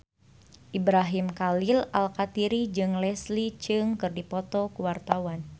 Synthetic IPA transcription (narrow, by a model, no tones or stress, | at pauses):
ʔibɾaɦimkalilalkat̪iɾid͡ʒɨŋlɛslit͡ʃɨŋkɨrdipɔt̪ɔkuwart̪awan